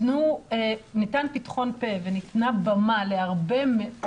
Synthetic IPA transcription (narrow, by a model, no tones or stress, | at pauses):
nuenitanpitχo̞npe̞venitnabamaleaʁbe̞me